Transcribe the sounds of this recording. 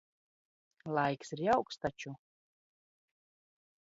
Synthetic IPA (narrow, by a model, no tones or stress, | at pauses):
lˠajksiɾjawkst̪at͡ʃu